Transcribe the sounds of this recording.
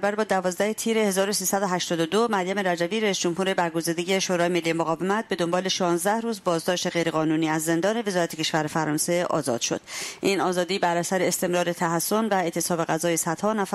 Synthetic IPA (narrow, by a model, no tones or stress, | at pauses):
bæɾbɒːd̪ævɒːzd̪æhet̪ʰiːɾe̞he̞zɒːɾo̞siːsæd̪oɦæʃt̪ɒːd̪od̪omæɾjæme̞ɾæd͡ʒæbiːɾæisd͡ʒo̞mhuːɾe̞bæɾɡo̞ziːd̪eɟeʃoɾɒːjeme̞lːijemoɣɒːve̞mæt̪̚be̞d̪o̞mbɒːle̞ʃɒːnzd̪æhɾuːzbɒːzd̪ɒːʃt̪e̞ɣejɾe̞ɣɒːnuːniːæzːe̞nd̪ɒːne̞ve̞zɒːɾæt̪e̥cʰe̞ʃvæɾefæɾɒːnse̞ʔɒ̰ːzɒ̰ːd̪̥ʃo̞̰d̪̥ʔiːnɒːzɒːd̪iːbæɾæsæɾeːst̪e̞mɾɒːɾe̞t̪ʰæɦæsːo̞nvæe̞t̪ʰe̞sɒːbe̞ɣæzɒːjesæd̪̥hɒːnæf